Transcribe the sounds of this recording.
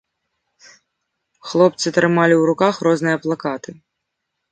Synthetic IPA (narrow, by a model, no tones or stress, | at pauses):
xlˠɔp̚t̪sɨt̪ɾɨmalʲiwɾukaxɾɔznɨjɐplˠakat̪ɨ